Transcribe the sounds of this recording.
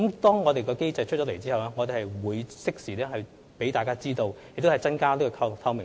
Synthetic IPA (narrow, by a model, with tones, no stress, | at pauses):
mt̪ɔː˥ŋŋɔː˨˧t̪e˨jkɔː˧ke˥jt͡sɐ˧jt͡ʃʰɵ˥t͡ʃɔ˨˥le˨˩jt͡siː˥˨wlɛː˥ŋɔː˨˧t̪e˨hɐ˨jwuː˨˧jsɪ˥k̚siː˨˩lɛː˥hɐ˨j | pe˨˥jt̪aː˨kaː˥t͡siː˥t̪o˧wjk̚t̪o˥hɐ˨˩jt͡sɐ˥nkaː˥liː˥kɔː˧kʰkʰɐ˧wmɪ˨˩